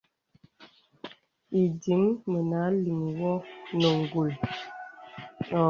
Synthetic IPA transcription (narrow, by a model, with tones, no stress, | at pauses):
i˨di˨˦mmə˨na˨˦li˨m˨wɔ˦nə˨ŋ˨ɡu˨l